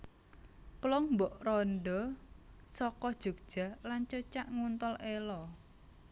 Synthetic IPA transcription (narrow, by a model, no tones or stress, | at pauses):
plɔŋmbɔʔrɔnɖɔ | sɔkɔd̥ʒ̥o̤k̚ʒ̥a̤lant͡ʃot͡ʃaʔŋunt̪ɔlʔelɔ